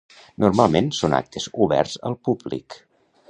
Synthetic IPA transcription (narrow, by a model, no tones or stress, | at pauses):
nʔurmalˠmensona̰k̚t̪ʰəzuβɛ̰ɾzə̰lˠpublḭk